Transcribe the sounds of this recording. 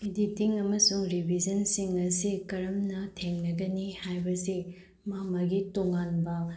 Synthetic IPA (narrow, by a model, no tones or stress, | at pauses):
iditiŋɐmɐsuŋɾibʱid͡ʒɐnsiŋɐsikɐɾɐmnɐtʰeŋnɐɡɐnihajbɐsi | mamɐɡitoŋanbɐ